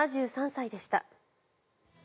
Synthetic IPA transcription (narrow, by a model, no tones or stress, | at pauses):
aʑɨːsãɰ̃said̪e̞ɕi̥t̪a̰